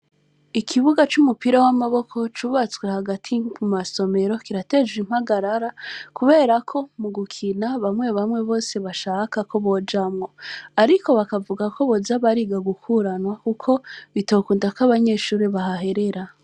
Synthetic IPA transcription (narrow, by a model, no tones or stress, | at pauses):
ikʰiβuɡat͡ʃumupiɾawamaβo̞kʰo̞t͡ʃuːβat͡swehaɡatʰikʰumaso̞me̞ɾo̞kiɾate̞d͡ʒɡim̥haɡaɾaɾakuβe̞ːɾakʰo̞muɡukʰinaβamŋe̞βamŋe̞βo̞ːse̞βaʃaːkakʰo̞βo̞d͡ʒamŋo̞aɾiko̞βakavuɡako̞βo̞zaβaɾiɡaɡukʰuɾanwakukʰo̞βito̞ːkuːndakaβaɲe̞ːʃuːɾeβaɦaɦe̞ɾe̞ɾa